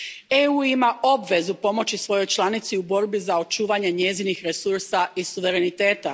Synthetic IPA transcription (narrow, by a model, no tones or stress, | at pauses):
euːimaʔo̞bʋe̞zupo̞mo̞t͡ɕisʋo̞jo̞jt͡ʃlˠanit̪siubo̞ɾbizao̞t͡ʃuːʋaɲe̞ɲe̞zinixɾesuɾsaisuʋe̞ɾe̞nit̪e̞ːt̪a